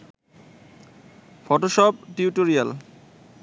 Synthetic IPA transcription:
fɔʈoʃɔp̚ʈiuʈoɾijal

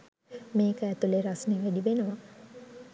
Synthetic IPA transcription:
meːkəːt̪uleɾasneʋædiʋenəʋa

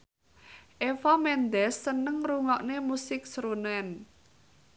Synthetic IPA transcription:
ʔefamɛnd̪ɛsːənəŋruŋɔʔnemusɪk̚sɾunɛn

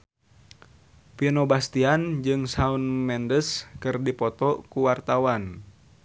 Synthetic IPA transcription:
pinɔbast̪iand͡ʒɨŋsaunmɛndəskɨrdipɔt̪ɔkuwart̪awan

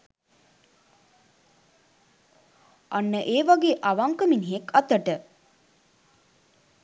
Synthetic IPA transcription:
ʔanːəʔeːʋaɡeːʔaʋaŋkəminiɦekat̪əʈə

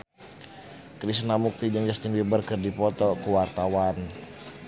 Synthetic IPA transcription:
kɾisnamuk̚t̪id͡ʒaŋd͡ʒast̪inbibərkɨrdipɔt̪ɔkuwart̪awan

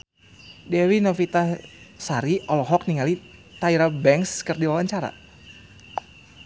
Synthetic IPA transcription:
dɛɾinɔfit̪asaɾiʔɔlɔɦɔk̚niŋalit̪aiɾabɛŋkskərdiwawaɲt͡ʃaɾa̰

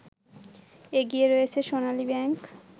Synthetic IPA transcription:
eɡieɾoet͡ɕʰeʃonalibɛŋk

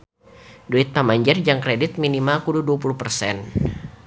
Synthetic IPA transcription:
duit̪ːamaɲd͡ʒərd͡ʒaŋkɾɛdit̪̚minimalkududuapuluhpərsɛn

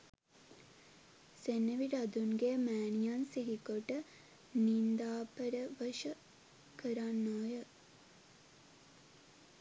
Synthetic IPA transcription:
senːəʋiɖɐd̪unɡemæːnijansiɦikoʈə | nind̪aːpəɾəʋəʃə | kəɾanːoːjə

